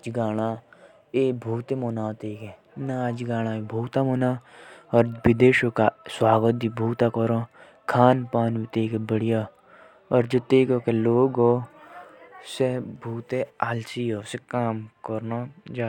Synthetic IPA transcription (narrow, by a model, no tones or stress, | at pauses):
d͡ʒɡaːɽ̃aː | eːbʱuːt̪emoːnaːt̪eːke | nad͡ʒɡaːɽ̃aːebʱuːt̪amoːnaːɔɾbɪd̪eːʃokaswaːɡət̪̚d̪ibʱuːt̪akɔɾõː | kʰaːnpaːnʋit̪eːkebəɽija | ɔːɾd͡ʒot̪eːkoːkeloːɡoː | sebʱuːt̪ealsiɦoːsekaːmkɔɾnad͡ʒaː